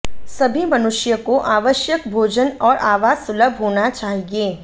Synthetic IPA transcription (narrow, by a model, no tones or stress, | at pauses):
sɐbʱimɐnʊʃjəkoʔaːʋəʃjək̚bʱoːd͡ʒənɔːɾʔaːʋaːzʊləbʱɦoːnat͡ʃaːɦieː